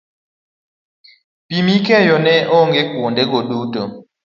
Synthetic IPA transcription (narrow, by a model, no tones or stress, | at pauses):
pimikɛjɔnɛʔoŋɡekwondeɡoduto